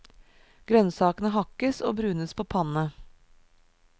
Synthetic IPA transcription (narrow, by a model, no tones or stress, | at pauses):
ɡ̥ɾœnsɑːkənəɦɑkəso̰ːbɾʉːnəspʰoːpʰɑnə